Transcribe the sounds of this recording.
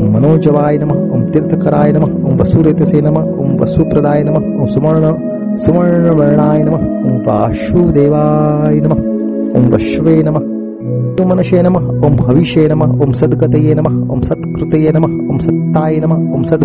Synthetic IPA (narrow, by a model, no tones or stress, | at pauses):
mːɐnoːd͡ʒɐʋaːjɐnɐmɐo̰ːmt̪iɾt̪ʰɐkɐɾaːjɐnɐmɐ | omʋɐsuɾeːt̪ɐseːnɐmɐo̰ːmʋɐ̰supɾɐd̪aːjɐnɐmɐoːmsumɐɾɳɐ | sumɐɻɳɐʋɐɾɐɳaːjɐnɐmɐoːmʋa̰ːʃud̪eːʋaːjɐnɐmɐ | o̰ːmʋɐ̰ʃʋeːnɐmɐ | t̪umɐnɐʃeːnɐmɐ | oːmɦɐʋiʃeːnɐmɐoːmsɐd̪ɡɐt̪ɐjeːnɐmɐo̰ːmsɐt̪kɾut̪ɐjeːnɐmɐ | o̰ːmsɐt̪ːaːjɐnɐmɐoːmsɐd̪